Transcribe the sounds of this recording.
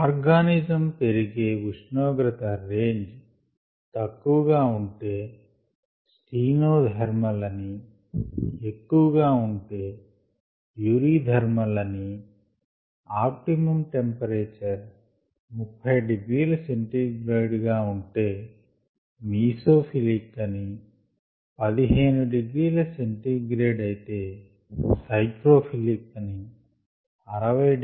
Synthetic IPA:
aːɾɡaːnid͡ʒɐmpe̞ɾiɡeːʋuʂɳɔːɡɾɐt̪ɐɾeːɲd͡ʒ | t̪ɐkːuʋɐɡaːuɳʈe̞ː | sʈiːnoːd̪ʱɐɾmɐlɐni | ekːuʋɐɡaːuɳʈeː | juːɾiːd̪ʱɐɾmɐlɐni | aːp̚ʈimɐmʈe̞mpɐɾeːt͡ʃɐɾ | mupʰːɐjɖiɡɾiːlɐseɳʈiːɡɾeːɖɡaːuɳʈe̞ː | miːsoːpʰilikːɐni | pɐd̪iɦe̞ːnuɖiɡɾiːlɐseɳʈiːɡɾeːɖɐjit̪e̞ː | sɐjkɾo̞ːpʰilikːɐni | ɐɾɐʋɐj

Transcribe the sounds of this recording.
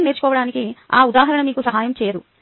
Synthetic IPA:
meːɾt͡ʃu̥kɔːʋɐɽaːnikia̰ːud̪aːɦɐɾɐɳɐmiːkusɐɦaːjɐmt͡ʃɛːjɐd̪u

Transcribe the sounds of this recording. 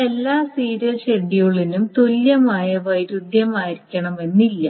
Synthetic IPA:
e̞lːaːsiːɾɐt͡ɕeɳːijuɭinumt̪oljɐmaːjɐʋɐjɾud̪jɐmaːjiɾikʲːɐɳɐme̞nːilːɐ

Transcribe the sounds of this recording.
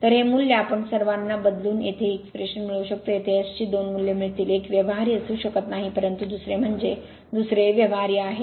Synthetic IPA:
t̪əɾɦemuljapəɳsəɾʋanːabəd̪luːnet̪ʰeːkspɾeɕənmiɭəʋɕək̚t̪ojet̪ʰeəst͡ɕiːd̪onmuljəmiɭt̪iːlekʋjəʋɦaɾijəsũːɕəkət̪naɦipəɾənt̪ud̪usɾem̤əɳd͡ze | d̪usɾeʋjəʋɦaɾjeaɦe

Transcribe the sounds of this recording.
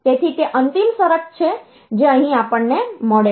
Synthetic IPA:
t̪et̪ʰit̪eʔənt̪imsəɾəkt͡ʃʰe | d͡ʒeəɦĩapəɳnːemɔɭe

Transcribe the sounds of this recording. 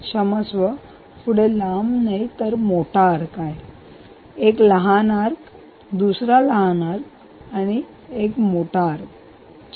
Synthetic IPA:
ɕəməsʋə | puɽelamnajt̪əɾmoʈaɾkaj | ekləɦanaɾ | d̪usɾaləɦanaɾ | aɽ̃i | ekmoʈaɾ

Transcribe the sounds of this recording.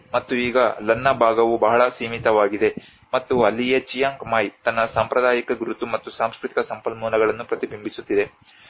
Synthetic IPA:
mɐt̪ːuiːɡɐlɐnːɐbʱaːɡɐʋubɐɦɐɭɐsiːmit̪ɐʋaːɡid̪e̞ | mɐt̪ːuɐlːijet͡ʃijaːŋkmaːjt̪ɐnːɐsaːmpɾɐd̪aːjikɐɡɾut̪umɐt̪ːusaːmskɾut̪i̥kɐsɐmpɐlmuːnɐɡɐɭɐnːupɾɐt̪ibʱimbʱisut̪ːid̪e̞

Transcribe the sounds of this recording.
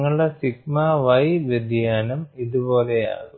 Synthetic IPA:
ŋːɐɭɨɽesiɡmaʋɐjʋɐd̪ʱjaːnɐmiðubo̞ːleja̰ːɣu

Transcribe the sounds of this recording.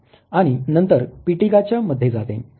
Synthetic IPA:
aɽ̃inənt̪əɾpiʈiɡat͡ɕjaməd̪ʱjed͡zat̪ḛ̃

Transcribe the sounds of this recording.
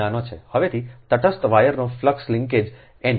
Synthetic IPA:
anot͡ʃʰḛhəʋet̪ʰit̪əʈʰəst̪ʋajəɾnofləkslɪ̃ŋked͡ʒ | en

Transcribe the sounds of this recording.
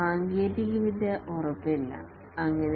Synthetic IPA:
aːŋɡeːtikːɐʋid̪ʱjɐʔorɐpːilːɐ̰ | ɐŋːɐne

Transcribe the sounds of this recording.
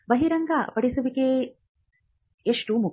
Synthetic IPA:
bɐɦiɾɐŋɡapɐɽisuʋikeː | eʂʈumu

